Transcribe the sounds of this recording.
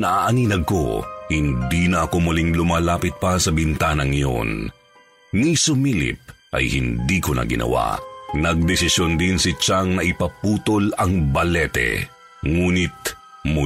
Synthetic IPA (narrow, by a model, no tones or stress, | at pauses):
nɐʔaːʔɐniːnɐɡ̚ko̰hɪnd̪iːnɐʔɐko̞mʊliŋlʊmaːlaːpɪt̪̚pɐsɐbɪnt̪aːnɐŋjo̰n | nisʊmilɪ̰p̚ʔɐ̰jhɪnd̪iːkʊnɐ̰ɡɪ̰nʔɐ̰wa̰nɐɡ̚d̪ɛsɪsjond̪ɪnsɪt͡ʃaŋnɐʔɪpɐpuːt̪olɐŋbɐlɛt̪ɛ̰ | ŋuːnɪt̪̚ | mʊ